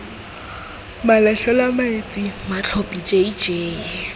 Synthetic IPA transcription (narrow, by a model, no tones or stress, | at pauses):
malɛɬɛlamaɪt͡sʼimat͡ɬʰopʼit͡ʃʼeid͡ʒeːi